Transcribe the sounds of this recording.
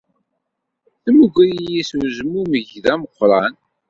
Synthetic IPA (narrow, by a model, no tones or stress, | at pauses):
θəmuɡʷɾijiswzəmːuməʝðæməqːɾˤɑn